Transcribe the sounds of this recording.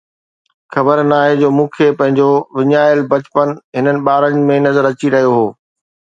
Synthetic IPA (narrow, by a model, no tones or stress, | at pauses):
xɐbəɾnaːɦed͡ʑoːmũːkʰepɐ̃ɦɪ̃ɲd͡ʑoʋɪɲaːjəlbɐt͡ɕpənɦɪnənɪ̆ɓaːɾənmẽnɐzəɾɐt͡ɕiɾɐɦijoɦoː